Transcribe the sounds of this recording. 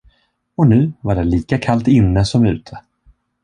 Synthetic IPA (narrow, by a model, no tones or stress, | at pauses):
ɔnʉ̟ːvaɖɛliːkakʰalt̪ɪnːəsɔmʉ̟̰ːt̪ʰə̥